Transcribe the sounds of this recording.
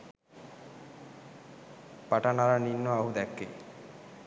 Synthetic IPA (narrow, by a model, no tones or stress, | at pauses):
paʈanaɾaninːoaɦud̪ɛkːḛ